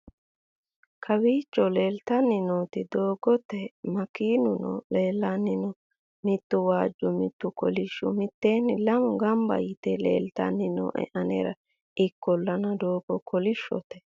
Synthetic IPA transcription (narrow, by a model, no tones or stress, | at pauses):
kʰɐwiːt͡ʃːɔle̞ːlt̪ɐnːɪnoːt̪ɪd̪oːɡɔt̪ːɛmɐkiːnʊnɔ̰leːlːɐnːɪnɔ | mɪt̪ːʊwaːd͡ʒːʊmɪt̪ːʊkɔ̰lɪʃːʊ̰mɪt̪ːeːnːɪlɐmʊɡɐmbɐ̰jɪt̪ɛlḛːlt̪ɐ̰nːɪnɔ̰ːʔɛ̰ʔɐnɛɾɐ | ʔɪkːɔlːɐnɐd̪oːɡɔkʰɔlɪʃːɔ̰t̪ɛ̥